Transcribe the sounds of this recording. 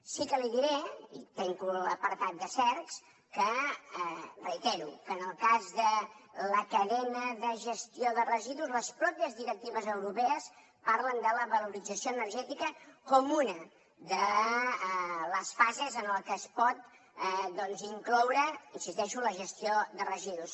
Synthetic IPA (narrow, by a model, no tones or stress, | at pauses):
sikəliðiɾeḭt̪ɛŋkuləpəɾt̪at̪̚d̪əsɛɾks | kə | rəjt̪ɛɾṵkəːnəlˠkazðələkəðɛnəðəʒəst̪ioðərəziðuzləspɾɔpiəzðiɾək̚t̪iβəzəwɾupeəs | paɾlənd̪ələβəluɾidd͡zəsioənərʒɛt̪ikəkɔmunə | d̪ə | ləsfazezənəlˠkəːspɔt̪̚ | d̪ɔnziŋklɔwɾəinsist̪ɛʃuləʒəst̪ioðərəziðus